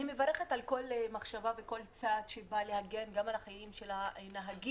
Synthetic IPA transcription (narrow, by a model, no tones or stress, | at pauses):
nimevaʁeχet̪alko̞lmaχʃavaveko̞lt͡sad̪ʃebalehaɡe̞nɡamalaχajimʃelanaɦaɡi